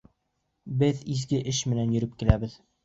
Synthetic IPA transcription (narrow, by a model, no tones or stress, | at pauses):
bɘðizɡɘʔɘʃmɘ̆nænjɵ̆ɾɘp̚kilæbɘð